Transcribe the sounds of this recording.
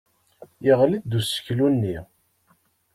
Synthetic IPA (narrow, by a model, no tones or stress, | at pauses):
jəʁlidd̪usə̥çlunːi